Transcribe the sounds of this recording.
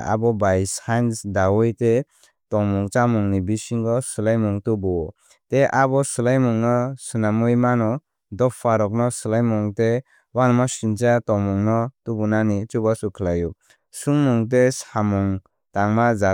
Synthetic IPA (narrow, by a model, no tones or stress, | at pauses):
a̰bɔbajsajnsdawɔjte | tɔŋmuŋt͡ʃamuŋnibisiŋɡɔsɯlajmɔŋtubɔ | teʔabɔsulajmuŋnɔsunamujmanɔ | dɔpʰːaɾɔk̬̚nɔsɯlajmɔŋte | wanɔmasint͡ʃatɔmɔŋnɔtubunanit͡ʃubasukʰlaju | suŋmuŋt̬esamɔŋ | taŋmaza